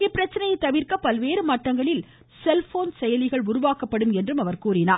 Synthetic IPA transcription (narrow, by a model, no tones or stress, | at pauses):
ɪpːɪɾɐt͡ʃːɐnɐjɐɪt̪ːɐʋɪɾkɐpɐlʋeːɾɯmɐʈːɐŋɡɐɭɪl | sɛlfoːnsɛjɐlɪɣɐɭʊɾʊʋaːkɐpːɐɽɯmɛndrɯmɐʋɐɾkuːɾɪnaː